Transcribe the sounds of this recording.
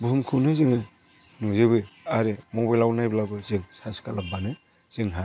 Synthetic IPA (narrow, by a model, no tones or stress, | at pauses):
bɯmkʰɯnɯzɯŋɯ | nuzɯbɯaɾemɔbajlawnajblabɯzɯŋsaskalabanɯ | z̥ɯŋɦa